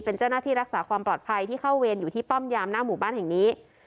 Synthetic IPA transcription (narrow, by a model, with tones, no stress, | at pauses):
pe˧nt͡ɕa˥˩wnaː˥˩t̪ʰiː˥˩ɾa˦˥k̚saː˩˦kʰwaː˧mplɔː˨˩t̪̚pʰa˧jt̪ʰiː˥˩kʰa˥˩wweː˧njuː˨˩t̪ʰiː˥˩pɔ˥˩mjaː˧mnaː˥˩muː˨˩˦baː˥˩nhɛ˨˩ŋniː˦˥